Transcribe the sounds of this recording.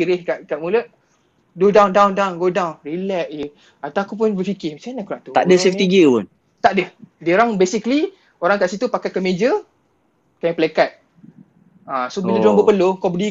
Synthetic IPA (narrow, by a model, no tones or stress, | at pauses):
iɾɪhkaʔkaʔmuləʔ | dodãwndawndawnɡodawnrilɛʔe | at̪aakupʊnbəfikɪhmat͡ʃaanakuɾaʔt̪ut̪a̰ʔdəseft̪iɡəpʊ̰n | t̪aʔdəhdəɾaŋbesikli | oɾaŋkaʔsit̪upakajkəmed͡ʒə | kamipəlekat̪̚ | ãsobiladoaŋbəpəlokɔbədi